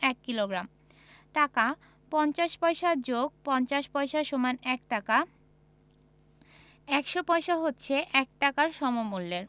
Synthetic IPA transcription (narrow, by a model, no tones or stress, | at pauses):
ɛkːiloɡɾam | ʈaka | pɔnt͡ɕaʃpɔjʃaɾd͡ʑoɡ̚pɔnt͡ɕaʃpɔeʃaʃomanɛk̚ʈaka | ɛkʃopɔjʃaɦotːɕʰeʔɛk̚ʈakaɾʃɔmomulːeɾ